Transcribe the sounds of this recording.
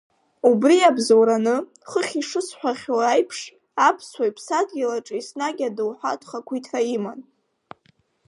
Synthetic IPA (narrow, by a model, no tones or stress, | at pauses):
ubriabzowɾanɨ | χəχʲiʂɨsħʷᶣaχʲwajpʰʂ | apʰswajpʰsadɡʲilaʈ͡ʂʼisnaɡʲadɨwħʷa̰tʼχakʷʰitʰraiman